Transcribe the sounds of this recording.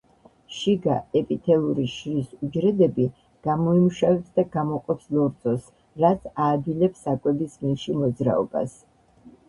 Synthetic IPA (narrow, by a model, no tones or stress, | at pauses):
ʃiɡaɛpʼit̪ʰɛlˠuɾiʃɾisud͡ʒɾɛd̪ɛbi | ɡ̥amɔimuʃavɛpsd̪aɡamɔqʼɔpslˠɔɾd̪zʼɔs | ɾat̪sʰaːd̪ilɛpsakʼwɛbisminʃimɔd̪zɾa̰ɔ̰ba̰s